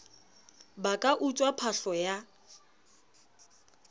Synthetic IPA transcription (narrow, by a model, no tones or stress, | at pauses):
bakʼaʔut͡ʃʼwapʰaɬɔja